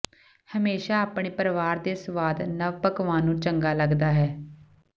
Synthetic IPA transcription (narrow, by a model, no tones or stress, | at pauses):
həmeːʃaːaːpɳeːpəɾʋaːɾd̪eːsəʋaːd̪nəʋpəkʋãːnũːt͡ʃəŋɡaːləɡd̪aːɦɛː